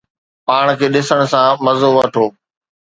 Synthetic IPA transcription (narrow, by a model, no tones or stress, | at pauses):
paːɽ̃kʰeːɗɪsəɽ̃sãmɐzoʋɐʈʰoː